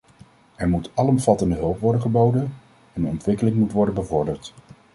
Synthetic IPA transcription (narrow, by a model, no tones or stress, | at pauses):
ɛɹmutɑlɔmvɑtəndəɦɵlˠpʋɔɹdəχəbowdən | ɛndənɔ̰ntʋɪkəlɪŋmutʋɔɹdənbəvɔɹdəɹt